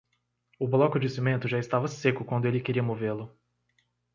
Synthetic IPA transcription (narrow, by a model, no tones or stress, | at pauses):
ʊblɔkʊd͡ʒɪsimẽnt̪ʊʒaɪst̪avɐsekʊkwɐ̃nd̪ʊelɪkeɾiɐmovelʊ